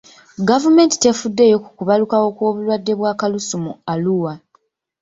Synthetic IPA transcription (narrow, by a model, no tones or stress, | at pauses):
ɡavume̞ːnti̥te̞fudːe̞ːjo̞ku̥kuβalukawo̞kwo̞ːβulwadːe̞βwaːkalusumualuwa